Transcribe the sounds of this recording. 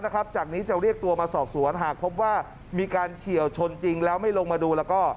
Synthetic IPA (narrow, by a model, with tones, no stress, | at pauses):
na˦˥kʰa˦˥p̚t͡ɕaː˨˩k̚niː˦˥t͡ɕa˨˩ɾi˥˩ək̚t̪u˧ɐmaː˧sɔː˨˩p̚su˩˦ənɦaː˨˩k̚pʰo˦˥p̬̚waː˥˩ | miː˧kaː˧nt͡ɕʰi˨˩əwt͡ɕʰo˧nt͡ɕi˧ŋlɛː˦˥wma˥˩jlo˧ŋmaː˧duː˧lɛː˦˥wkɔː˥˩